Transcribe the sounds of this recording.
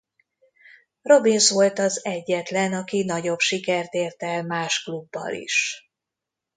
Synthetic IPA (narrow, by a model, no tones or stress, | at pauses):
ro̞binsʋo̞lt̪ɒzɛɟːɛt̪lɛnɒkinɒɟo̞bʃikɛrt̪eːrt̪ɛlmaːʃklubːɒ̰lḭʃ